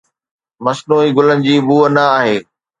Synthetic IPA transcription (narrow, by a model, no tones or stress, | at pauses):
mɐsnuːiɡʊlənɪ̆d͡ʑiːbuːənɐaːɦeː